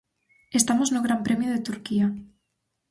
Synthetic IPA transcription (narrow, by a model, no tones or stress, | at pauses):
e̞st̪amoznoɣ̞ɾampɾemjoð̞et̪uɾkia